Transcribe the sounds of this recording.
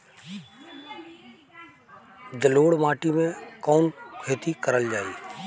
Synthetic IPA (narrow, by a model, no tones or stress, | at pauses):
d̪əloːɽmaːʈimẽkɔːnkʰeːt̪ikəɾəld͡ʒaːiː